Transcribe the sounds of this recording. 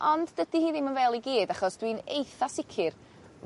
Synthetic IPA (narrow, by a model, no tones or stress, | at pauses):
ʔɔndːədihiːðɪmənvɛːlˠiɡiːdaχɔsd̥winḛjθasɪkʰɪr